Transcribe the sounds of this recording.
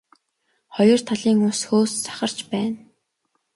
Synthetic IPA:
χɔjɞ̆r̥t̪ʰaɮiːŋʊsxoːst͡sḁχə̆r̥t͡ɕpæːn

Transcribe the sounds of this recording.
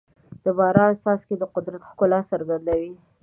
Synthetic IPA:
d̪̥əbɑɾɑst̪ɑsked̪əqʊd̪ɾat̪xkʊlɑsəɾɡand̪awi

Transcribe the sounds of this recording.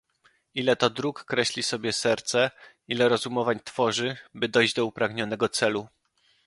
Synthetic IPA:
ilɛt̪ɔd̪ɾukːɾɛɕlʲisɔbʲjɛsɛɾt̪sɛ | ilɛɾɔzumɔvaɲt̪fɔʐɘbɘd̪ɔjʑd͡ʑd̪ɔupɾaɡɲɔn̪ɛɡɔt̪sɛlu

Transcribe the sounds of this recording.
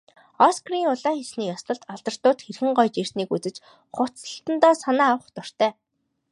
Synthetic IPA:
ɔskriŋʊɮaːxesniːjɔst̪ə̆ɮt̪aɮt̪ə̆r̥t̪ʊːt̪xerxɘ̆ŋɢɔjt͡ɕir̥t̪niːkut͡sɘ̆t͡ɕ | χʊt͡sə̥̆ɬt̪ə̆nt̪ɔːsanaːawə̆χt̪ɔr̥t̪ʰœː

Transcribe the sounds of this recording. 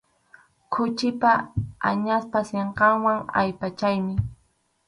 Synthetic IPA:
kʰʊt͡ʃɪpaa̰ɲaspaseɴqɑŋwaŋa̰jpat͡ʃajmɪ

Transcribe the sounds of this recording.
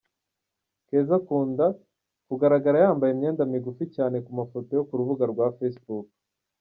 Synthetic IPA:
ke̞ːzakuːnda | kuɡaɾaɡaɾajaːmbajemɲe̞ːndamiɡuficaːne̞kumafo̞to̞jo̞kuɾuβuɡaɾɡwaːfesbuk

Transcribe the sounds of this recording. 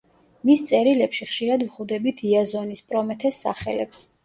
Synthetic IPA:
mist̪sʼɛɾilɛpʃiχʃiɾad̪vʁud̪ɛbit̪ʰiazɔnispʼɾɔmɛt̪ʰɛsːa̰χɛlɛps

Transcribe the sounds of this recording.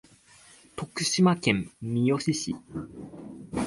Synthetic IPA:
t̪o̞kɯ̟̥ɕimakẽ̞mːʲijo̞ɕiɕḭ

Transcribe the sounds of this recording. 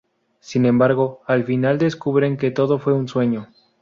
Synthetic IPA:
sinẽ̞mbaɾɣo̞alfinald̪e̞skuβɾe̞ŋke̞t̪o̞ðo̞fwe̞unswe̞ɲo̞

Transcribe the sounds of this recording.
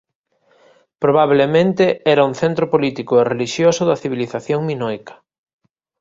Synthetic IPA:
pɾoβ̞aβlemẽnt̪eɛɾɐuŋθent̪ɾʊpolit̪ikʊereliʃjosʊðɐθiβ̞iliθaθjoŋminojkɐ̥

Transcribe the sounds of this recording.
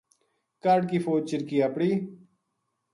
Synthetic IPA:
kaːɖkiːfoːd͡ʒ̚t͡ʃɪɾkiːaːpɽiː

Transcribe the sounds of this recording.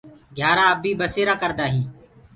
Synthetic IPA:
ɡʱjaːɾaːəbiːbəseːɾaːkəɾd̪aːɦĩː

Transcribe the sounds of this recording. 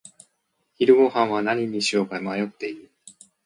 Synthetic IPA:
çiɾɯ̟ɡo̞hãɰ̃βanaɲ̟iɲ̟iɕioːkaimajo̞t̪ːe̞iɾɯ̟

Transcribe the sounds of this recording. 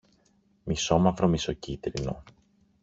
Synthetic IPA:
miso̞mɐvɾo̞miso̞cit̪ɾino̞̰

